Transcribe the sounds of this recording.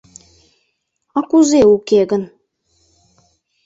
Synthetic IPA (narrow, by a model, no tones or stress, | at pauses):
ɑkuzeukeɣə̆n